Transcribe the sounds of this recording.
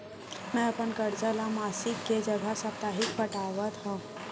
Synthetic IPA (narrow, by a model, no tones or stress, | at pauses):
mɛ̃əpəɳkəɾd͡zalamasikːed͡ʒəɡʱasəp̚t̪aɦikpəʈaʋət̪ɦã